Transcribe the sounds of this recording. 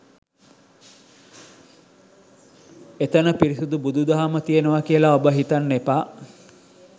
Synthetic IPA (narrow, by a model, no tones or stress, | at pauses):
et̪ənəpiɾisud̪ubud̪ud̪aɦamət̪ijenəʋakijəlaobəɦit̪anːepa